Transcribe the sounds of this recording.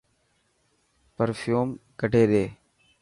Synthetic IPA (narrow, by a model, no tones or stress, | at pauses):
pəɾfʰjuːmkəɖʱeːɗ̪eː